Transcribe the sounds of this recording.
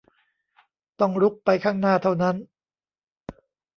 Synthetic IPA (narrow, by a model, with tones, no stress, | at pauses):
t̪ɔ˥˩ŋɾu˦˥k̚pa˧jkʰaː˥˩ŋnaː˥˩t̪ʰa˥˩wna˦˥n